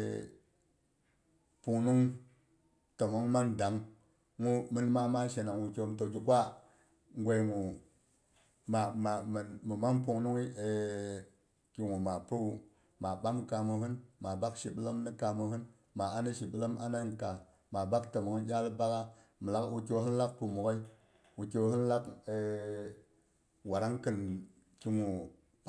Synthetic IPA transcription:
pu˨ŋnu˦ŋ | tə˨mo˨˦ŋma˦nda˨˦ŋ | ŋu˦mi˦n˦ma˦ma˦ʃe˨na˨ŋwu˨ke˦˨mto˨d͡ʒi˦kʷa˦ | ŋ˦ɡʷe˨jŋu˨ | ma˨ma˨m˨mɨ˨ma˦np̬u˨ŋnu˦ŋi˦e˨ | ki˨ŋu˨ma˨pu˦u˦ | ma˨ɓa˦mka˨mu˨ɦɨ˦nma˨ba˦kʃi˨ɓə˦lə˦mni˦ka˨mu˨hɨ˦n | ma˨a˦ni˦ʃi˨ɓə˦lə˦ma˦na˦n˨ka˨ | ma˨ba˦ktə˨mu˨kə˦jʲa˦lba˦ka˦ | mə˨la˦ku˨ke˦wɨ˦n˦la˦k̚pu˨mu˨ka˦i˦ | wu˨ke˦whɨ˦n˦la˦ke˨ | wa˨ɾa˦ŋkɨ˨n | ki˨ŋu˨

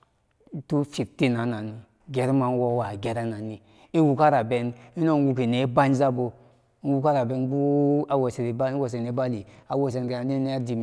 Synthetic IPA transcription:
tu˦fi˨k̚ti˦na˨˦na˨ni˨ | ɡe˨ɾma˨n˦wo˦wa˨ɡe˨ɾa˦na˨ni˨ | i˦wu˨ka˦ɾa˨be˨ni˦no˦n˦ɡu˨k̬i˨ne˨˦ba˦n˦za˦bo˨˦ | wu˦ka˦ɾa˨be˨˦nbu˦a˦wo˨se˨ɾba˦wo˨s̬e˨ne˨˦ba˦li˨a˨wo˨s̬e˨n˨ke˨a˨ni˦ne˦a˦di˨m

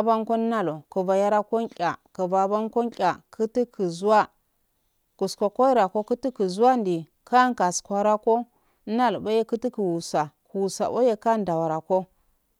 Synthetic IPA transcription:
a˦ba˦ŋko˦n˦na˦lo˨ku˨va˨ja˦ɾa˦ko˦nkʲʼa˨kə˨va˨ba˦nko˦nkʲʼa˨kʰu˦ti˦kʰi˨zu˦wa˦ | ku˨sko˨ko˦i˦ɾa˨ko˦ku˦ti˦ki˨zu˦a˦ndi˨ | ka˦ŋ˦ka˨skʷa˦ɾa˦ko˦ | na˦lba˦je˦ku˦ti˦ki˨wu˨sa˨ku˨wu˨sa̰˨bo̰˦je˦ka˦n˦da˨wa˨ɾa˨ko˦

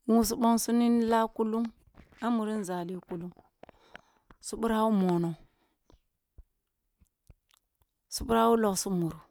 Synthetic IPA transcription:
wu˦s̬u˦ɓo˦ŋsu˦ni˦n˦la˦ku˦lu˦ŋ | a˦mu˨ɾi˦n˦˨za˨li˦ku˦lu˦ŋ | su˦ɓu˦ɾa˦u˦mo˨no˨ | su˦bu˦ɾa˦u˦lo˨ksu˦mu˨ɾu˨

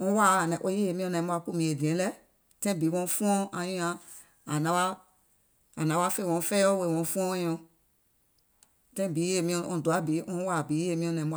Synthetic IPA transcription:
ɔ̃˧˦wa˦˨nɛ̃˨ʔo˧˦je˦e˨mĩ˧ɔ̃˧nɛ̃˨˦bu˧a˧˨ku˦˨mĩ˨e˨dĩ˨ɛ̃˨˦lɛ˦ | tɛ̃˦bi˨˦wɔ̃˧˦fũ˦ɔ̃˦ã˧jũ˧˦ã˧ | a˨nã˨˦a˦ | a˨nã˨˦wa˦fe˦˨wɔ̃˧fɛː˦o˦we˧˨wɔ̃˧fũ˦ɔ̃˦˧jɔ̃˧ | tɛ̃˦˨bi˨˦e˨mĩ˧˨ɔ̃˧˨du˨a˨˦bi˨˦ɔ̃˧˦wa˦˨bi˨˦e˦˨mĩ˧˦ɔ̃˧nɛ̃˨˦b

